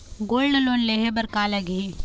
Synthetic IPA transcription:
ɡoːlnɐloːnleɦebɐɾkaːlɐɡe

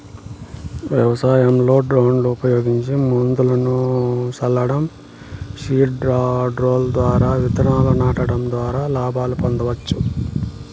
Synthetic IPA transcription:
ʋjɐʋɐsaːjɐmlo̞ːɖɾawɳluupɐjo̞ːɡiɲt͡ʃimund̪ulɐnut͡ʃɐlːɐɽɐm | ʃiːʈɾɖɾoːld̪ʋaːɾaːʋit̪ɐɾnaːlɐnaːʈɐɽɐmd̪ʋaːɾaːlaːbʱaːlupɐnd̪ɐʋɐt͡ʃːu

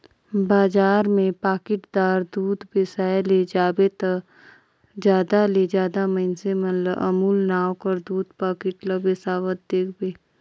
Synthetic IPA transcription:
baːd͡ʒaːɾmẽpaːkɪʈd̪aːɾd̪uːd̪bɪsaːjled͡ʒaːbet̪ə | d͡ʒjaːd̪aled͡ʒjaːd̪aməɪnsemənləə̰muːlnaːwkəɾd̪uːd̪paːkɪʈləbesaːʋət̪̚d̪eːkʰbeː

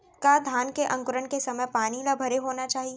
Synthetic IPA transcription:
kad̪ʱaːnkeʔɐ̃ŋkʊɾəɳkesɐməjpaːnilabʱɐɾeɦoːnat͡ʃaːɦie

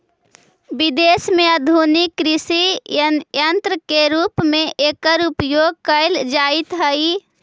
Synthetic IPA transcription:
bid̪esmeəd̪ʱunikːɾisi | jənt̪ɾəkeɾupmeʔekəɾupjoɡ̚kəɪld͡ʒait̪ɦəi

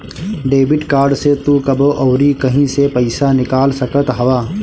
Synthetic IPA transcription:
ɖeːbɪʈkaːɾɖset̪uːkɐboʔɔːɾikɐɦĩsepɐɪsanɪkaːlsɐkət̪ɦɐʋaː

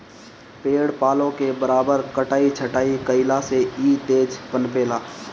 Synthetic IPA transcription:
peːɽpaːlõkebəɾaːbəɾkəʈaːit͡ʃʰəʈaːikəɪlaseiːt̪eːd͡ʒpənpeːlaː

